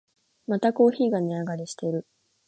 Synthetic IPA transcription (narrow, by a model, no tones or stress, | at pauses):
mat̪ako̞ːçiːɡaniaɡaɾʲiɕi̥t̪e̞ɾɯ̟